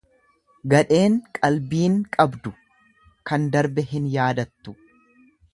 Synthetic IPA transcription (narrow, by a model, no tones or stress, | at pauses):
ɡɐᶑe̞ːŋkʼɐlbiːŋkʼɐbd̪ʊ | kɐnd̪ɐɾbɛɦɪnjaːd̪ɐt̪ːʊ